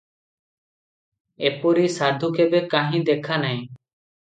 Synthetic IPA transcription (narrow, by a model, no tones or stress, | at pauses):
epɔɾisad̪ʱukebekaɦĩd̪ɛkʰanaj̃